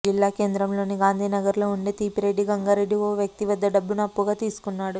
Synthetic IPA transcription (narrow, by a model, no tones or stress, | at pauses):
d͡ʒilːaːke̞ːnd̪ɾɐmlo̞ːniɡaːnd̪ʱiːnɐɡɐɾlo̞ːuɳɖet̪iːpiɾe̞ɖːiɡɐŋɡaːɾe̞ɖːiʋoːʋjɐk̚t̪iʋɐd̪ːɐɖɐbːunɐpːuɡaːt̪iːsu̥kunːaːɽu